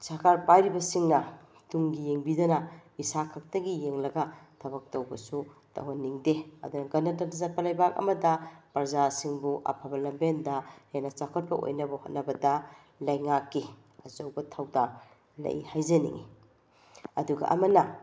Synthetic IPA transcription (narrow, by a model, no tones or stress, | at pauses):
sakʰaɾpajɾibɐsiŋnɐ | tuŋɡijeŋbidɐnɐisakʰɐk̚tɐɡijeŋlɐɡɐtʰɐβɐk̚tɐwbɐsutɐ̰wɐnːiŋdeɐ̰dunɐɡɐndatɐnzɐt̚pɐlɐjbakɐ̰mɐdɐpɐɾzasiŋbuʔɐ̰pʰabɐlɐmbendɐhenɐt͡ʃakʰot̚pɐʔo̰jnɐbɐhot̚nɐbɐdɐ | lɐjŋakːi | ɐzowbɐtʰawda | lɐ̰j̰hajzɐnḭŋḭ | ɐ̰duɡɐ̰ʔɐ̰mɐnɐ